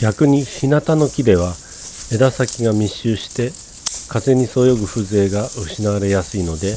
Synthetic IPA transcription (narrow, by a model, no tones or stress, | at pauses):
ɡ̥ʲakɯ̟ɲ̟içinat̪ano̞kʲid̪e̞β̞a | e̞d̪asakʲiɡamʲiɕːɨːɕi̥t̪e̞ | kaze̞ɲ̟iso̞ːjo̞ɡɯ̟ɸɯ̟ze̞ːɡaɯ̟ɕinaβaɾe̞jasɨino̞d̪e̞